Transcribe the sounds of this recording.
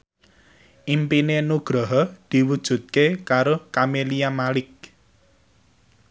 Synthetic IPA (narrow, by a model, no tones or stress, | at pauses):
ʔimpinenuɡ̥ɾɔɦɔd̪̥i̤wud̥ʒ̥ṳt̪̚kekaɾokamelijamalɪk̚